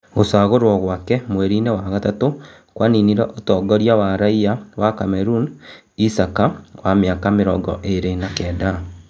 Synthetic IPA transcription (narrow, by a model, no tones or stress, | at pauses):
ɣosaːɣoɾwɔɣwakɛmwɛɾinewaɣatato | kwaniniɾɛʔotɔːɡɔɾjawaɾaiawakamɛɾun | isakawamjakameɾɔɡɔ̰ʔeɾenakɛːda